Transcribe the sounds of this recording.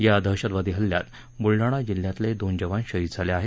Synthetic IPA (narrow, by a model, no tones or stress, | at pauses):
jad̪ʱəɕəd̪ʋad̪iɦəljat̪ | muɭɖaɽ̃ad͡ʑiljat̪led̪ond͡ʑəʋanɕəɦit̪d͡zʱaleaɦe